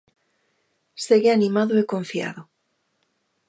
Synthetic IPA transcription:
seɣeanimaðoekoɱfia̰ðo

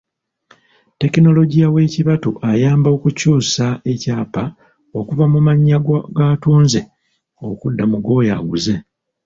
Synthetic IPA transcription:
te̞kino̞lo̞ɟijawe̞ːciβatuʔajaːmbo̞kucuːsae̞caːpa | o̞kuvamumaɲːaɡatuːnze̞ | okudːamuɡo̞ːja̰ɡuze̞

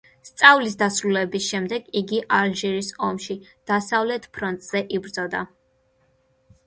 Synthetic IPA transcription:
st̪sʼavlis̬d̪asɾulɛbisʃɛmd̪ɛɡiɡiʔalʒiɾisɔmʃid̪̥asavlɛt̪ʰpʰɾɔnt̪ʼz̥ɛʔibɾd̪zɔd̪a

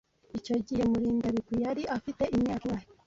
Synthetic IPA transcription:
ico̞ɟihe̞muɾiːndaβikwijaɾiafite̞ʔiɲaɾwaji

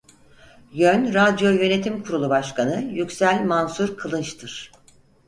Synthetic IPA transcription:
jønɾad̪jo̞jø̞ne̞t̪ʰimkʰuɾulˠubaʃkʰanɯjycsælʲmansuɾkʰalˠɯnt͡ʃt̪ʰɯɾ̥

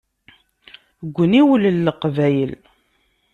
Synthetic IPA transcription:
ɡʷːniwələlːəqvæjəl

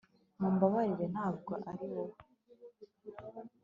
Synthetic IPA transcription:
muːmbaβaɾiɾe̞nhaːb̚ɡo̰ʔaɾiwo

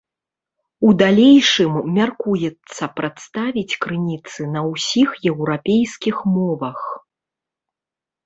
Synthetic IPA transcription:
ud̪alʲejʂɨmːʲarkujɛt̪sːɐpɾat̪st̪avʲit͡sʲkɾɨnʲit̪sɨnɐwsʲixjɛwɾapʲejskʲixmɔvɐx

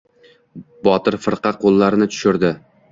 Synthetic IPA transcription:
bɒt̪ɪɾfɪɾqɑqʰolˠːaɾɪnɪt͡ʃ̪ʰʊ̥ʃʊɾd̪ɪ

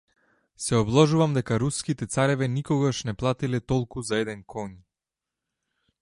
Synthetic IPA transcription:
sɛɔblˠɔʒuvamd̪ɛkaɾuskit̪ɛt̪saɾɛvɛnikɔɡaʃnɛplˠat̪ilɛt̪ɔlˠkuzaɛd̪ɛnkʰɔɲ

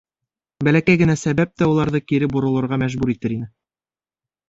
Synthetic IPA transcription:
bælækæjɡɘ̆næsæβæp̚t̪æulˠɑɾðɤkiɾɘbŭɾɤ̆lˠɤ̆ɾʁɑmæʒbuɾit̪ɘɾinɘ

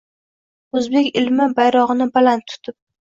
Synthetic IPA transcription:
ozbe̞kʲɪlmɪbajɾɒʁɨnɪbalant̪ʰːʊ̥t̪ʰɪp̚

